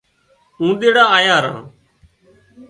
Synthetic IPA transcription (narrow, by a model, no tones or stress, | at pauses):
ũːɗ̪eːɽaːaːjaːɾã̰ː